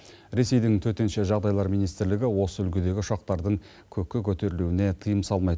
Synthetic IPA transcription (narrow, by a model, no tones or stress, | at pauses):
ɾe̞se̞jd̪ɪŋt̪ʰɵt̪e̞nʃeʒɑʁd̪ɑjlˠɑɾmijnijst̪ɪɾlɪɡʲɪwo̞səʏlkʲɪd̪e̞ɡʲɪʊʃɑq̚t̪ɑɾd̪əɴ | kʲʰɵkʲːɪkʲʰɵt̪e̞ɾɪluɪne̞t̪ʰijəmsɑlˠmɑjt̪